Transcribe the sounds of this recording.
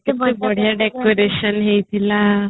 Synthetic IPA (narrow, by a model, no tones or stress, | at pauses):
t̪emabəɽ̤jaɖekoɾeɕənɦejt̪ʰila